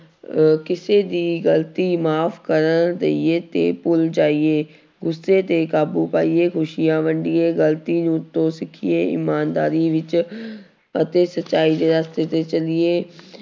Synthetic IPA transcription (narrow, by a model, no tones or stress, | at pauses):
kɪseːd̪iːɡəlt̪iːmaːpʰkəɾənd̪ḛieːt̪ḛːpʊld͡ʒaːieː | ɡʊsːeːt̪eːkaːbuːpaːieːkʰʊʃɪjãːʋəɳɖieːɡəlt̪iːnũt̪ːõːsɪkʰɪeːɪ̰maːnd̪aːɾiːʋɪt͡ʃ | ət̪eːsətːʃaːiːd̪eːɾaːst̪eːt̪eːt͡ʃəlieː